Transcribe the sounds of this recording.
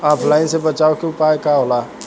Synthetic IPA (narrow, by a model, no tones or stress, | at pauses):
aːpʰlaɪnsebɐt͡ʃaːokeʊpaːekaɦolaː